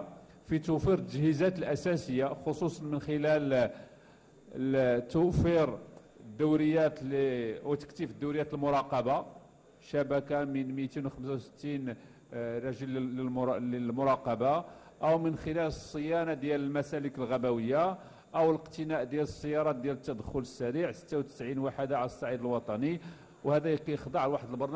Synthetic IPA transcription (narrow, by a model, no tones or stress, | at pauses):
fit̪ufiɾt̪ːəʒhəzæt̪əlʔæsæsəjːaxosˤusˤɑnmənxɪlæl | t̪ufiɾ | əd̪ːuwɾəjːæt̪liwt̪ə̥kt̪əfəd̪ːuwɾəjːæt̪əlmʊɾˤɑqɑba | ʃæbækamənmit̪inwxəms̬awsə̥t̪ːin | ɾˤɑʒəlːələlmʊɾˤɑqɑba | ʔəwmənxɪlæləsˤːəjænad̪jæləlmæsæləkəlɣæbæwəjːa | ʔəwələqt̪ənæʔd̪jæləsˤːəjːɑɾˤɑt̪̚d̪jælət̪ːæd̪əxʊləsːæɾiʕsə̥t̪ːawt̪ə̥sʕinwaħəd̪aʕaləsˤːɑʕid̪əlwɑt̪ˤɑni | whæd̪æjqijəxd̪ˤɑʕlwaħəd̪əlbɑɾˤn